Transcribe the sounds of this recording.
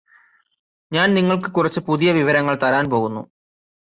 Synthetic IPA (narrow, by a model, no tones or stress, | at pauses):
ɲaːnniŋːɐɭkɨkurɐt͡ɕːɨpuðijɐʋiʋɐɾɐŋːɐɭt̪ɐɾaːnpo̞ːɣunːṵ